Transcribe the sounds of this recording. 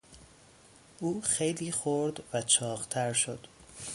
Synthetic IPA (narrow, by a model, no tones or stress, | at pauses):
ʔuːxejliːxoɾd̪væt͡ʃʰɒːɣt̪ʰæɾʃod̪̥